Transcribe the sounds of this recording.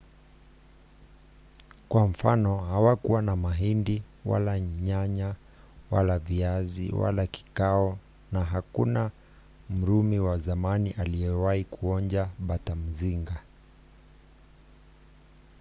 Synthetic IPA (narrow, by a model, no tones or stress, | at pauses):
kwam̩fanɔɦawakuwanamaɦindi | wa̰laɲaɲa | wa̰laviazḭwa̰laki̥kaɔ | naɦakuna | m̩ɾumiwazamaniʔaliɛwaikuɔɲd͡ʒaɓatam̩ziŋɡa